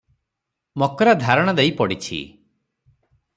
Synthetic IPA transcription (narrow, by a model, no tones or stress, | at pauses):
mɔkɔɾad̪ʱaɾɔɽ̃ɔd̪ejpɔɽit͡ʃʰḭ